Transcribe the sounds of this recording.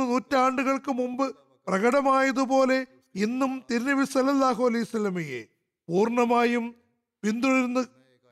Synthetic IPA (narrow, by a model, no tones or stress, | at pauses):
nuːtːaːɳɖuɣɐɭkɨmumbɨ | prɐɣɐɽɐmaːjɐðupo̞ːle̞ | inːumt̪iɾnɐʋisɐlɐlːaːɦoːlijsɐlɐmijḛ | puːrɳɐmaːjum | pind̪uɽiɾnːɨ